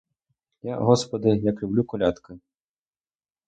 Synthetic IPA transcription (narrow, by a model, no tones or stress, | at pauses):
jaɣɔspɐd̪ɨjɐklʲublʲukɔlʲat̪kɨ